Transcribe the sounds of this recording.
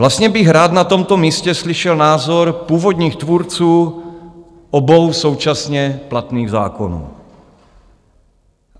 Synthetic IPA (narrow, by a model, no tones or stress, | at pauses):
vlast̪ɲɛbɪɣɾaːd̪nat̪ɔmt̪omiːscɛsliʃɛlnaːzɔɾpuːvod̪ɲiːxt̪vuɾt͡suː | ʔɔbowsowt͡ʃasɲɛplat̪niːɣza̰ːko̰nṵː